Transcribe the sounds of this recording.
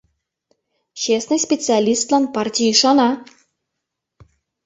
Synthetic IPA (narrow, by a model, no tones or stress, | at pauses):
t͡ɕesnɨjsʲpʲet͡sɨalʲist̪lˠɑnpɑrtʲijiʃɑnɑ